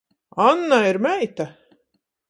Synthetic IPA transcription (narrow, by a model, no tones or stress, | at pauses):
anːaiɾmʲæjt̪a